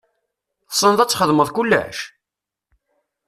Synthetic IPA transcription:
sˤːənðæt͡sːχəðˤməðˤkulːæ̰ʃ

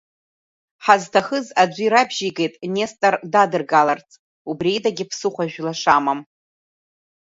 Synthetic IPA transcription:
ħaztʰaχəzad͡ʒʷʼiɾabʒiɡe̞jtʼne̞stʼardadɨrɡalart͡sʼ | ubrejdaɡʲɪpʰsɨχʷaʒᶣlaʂamam

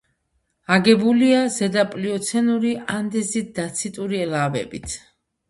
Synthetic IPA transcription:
aɡɛbuliazɛd̪apʼliɔt̪sʰɛnuɾiand̪ɛzit̪̚d̪at̪sʰit̪ʼuɾiɛlavɛ̰bit̪ʰ

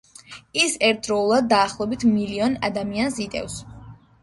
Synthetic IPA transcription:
isɛɾt̪̚ʰɾɔulˠad̪̚ːaːχlˠɔbit̪ʰmiliɔna̰d̪amiansit̪ʼɛ̰fs

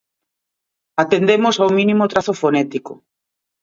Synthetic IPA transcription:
at̪end̪emosawmĩnimʊt̪ɾaθofonɛt̪iko̰

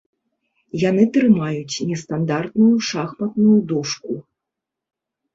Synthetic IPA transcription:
jan̪ɨt̪ɾɨmajut͡sʲnʲɛst̪and̪art̪nujuʂaxmɐt̪nujud̪ɔʂku

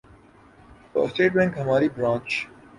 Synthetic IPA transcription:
o̰ːsʈeːʈ̚bɛ̃ŋkɦɐmaːɾiːbɾãːnt͡ʃ

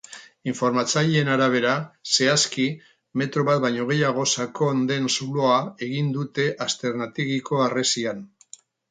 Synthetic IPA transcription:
iɱfo̞ɾmat͡saʎenaɾaβ̞e̞ɾase̞aski | me̞t̪ɾo̞βat̪̚bajɲo̞ɣ̞e̞jaɣ̞o̞sako̞nd̪e̞nsuloae̞ɣ̞ind̪ut̪e̞ʔast̪e̞ɾnat̪iɣiko̞are̞sian

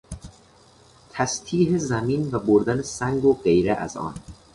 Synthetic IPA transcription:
t̪ʰæst̪ʰiːɦezæmiːnvæboɾd̪ænesæŋɡoɢe̞jɾeʔæ̰zɒ̰ːn

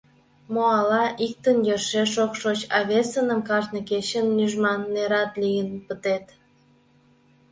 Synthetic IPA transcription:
moɑlɑʔik̚t̪ənjøʃeʃokʃot͡ɕɑβesənəmkɑrnə̆ket͡ɕənːyʒmɑnːeɾɑt̪lijənpət̪et̪

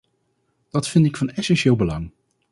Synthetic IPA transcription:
d̥ɑtfɪntɪkfɑnɛsɛnʃɪːlˠbəlɑŋ

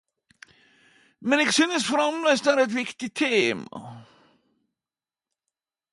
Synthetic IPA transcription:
mɛnɛksynəsfɾɑmləjsd̪aɾɛt̪̬vɪkt̪it̪ʰeːmɑ̰

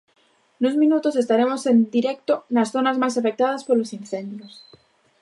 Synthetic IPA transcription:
nozmĩnut̪o̞se̞st̪aɾe̞mo̞se̞nd̪iɾek̚t̪onasθo̞nazmas̬afe̞k̚t̪aðaspoɾlo̞sin̟θẽ̞nd̪jos

